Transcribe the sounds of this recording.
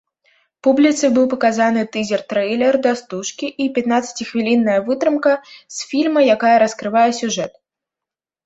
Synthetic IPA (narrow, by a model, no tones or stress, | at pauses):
publʲit̪sɨbɨwpɐkazanɨt̪ɨzʲɛrt̪ɾɛjlʲɛrd̪ɐst̪uʂkʲiʔipʲat̪nat̪sːɐ̥t͡sʲixvʲilʲinːɐjɐvɨt̪ɾɨmkɐsʲfʲilʲmɐjakajɐɾɐskɾɨvajɛsʲuʐɛt̪̚